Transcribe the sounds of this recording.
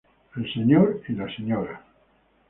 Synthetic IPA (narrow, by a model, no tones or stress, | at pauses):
elseɲoɾilaseɲoɾa